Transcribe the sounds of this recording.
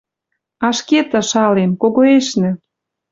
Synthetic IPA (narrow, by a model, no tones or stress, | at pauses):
ɑʃket̪ə̆ʃɑlenkoɣoeʃnĕ